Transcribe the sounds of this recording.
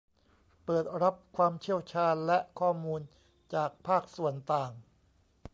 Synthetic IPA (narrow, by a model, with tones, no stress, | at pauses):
pɤː˨˩t̪̚ɾa˦˥p̚kʰwaː˧mt͡ɕʰi˥˩əwt͡ɕʰaː˧nlɛ˦˥ʔkʰɔː˥˩muː˧n | t͡ɕaː˨˩k̚pʰaː˥˩k̚su˨˩ənt̪aː˨˩ŋ